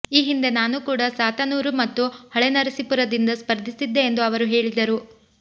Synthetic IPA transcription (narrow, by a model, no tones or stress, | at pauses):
iːɦind̪e̞naːnukuːɽɐsaːt̪ɐnuːɾumɐt̪ːuhɔɭenɐɾɐsipuɾɐd̪ind̪ɐspɐɾd̪ʱisid̪ːe̞ːnd̪uɐʋɐɾuɦe̞ːɭid̪ɐɾu